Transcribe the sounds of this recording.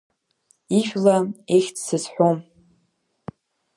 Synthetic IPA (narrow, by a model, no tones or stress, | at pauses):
iʃᶣlaeχʲtsɨzħʷom